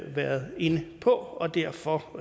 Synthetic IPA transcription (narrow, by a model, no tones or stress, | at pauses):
ʋæɐðˠe̝nəpʰɒ̽ɒ̽d̥æɐ̰fɒ